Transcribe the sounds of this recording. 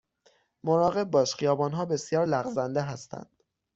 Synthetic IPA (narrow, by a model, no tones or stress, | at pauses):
moɾɒːɣe̞b̚ːɒːʃχijɒːbɒːnɦɒːbe̞sjɒːɾlæɣzænd̪eɦæst̪ʰæ̰nd̪̥